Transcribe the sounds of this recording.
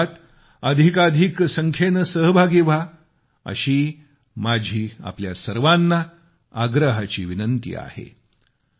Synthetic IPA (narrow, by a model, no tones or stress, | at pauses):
t̪ | əd̪ʱikad̪ʱiksəŋkʰenəsəɦbʱaɡiʋa | ə̰ɕiː | mad͡ʑʱiːa̰pljasəɾʋanːa | aɡɾəɦat͡ɕiːʋinənt̪ḭːa̰hḛ